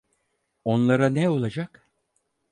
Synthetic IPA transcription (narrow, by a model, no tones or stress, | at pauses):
o̞nlˠaɾanɛo̞lˠad͡ʒak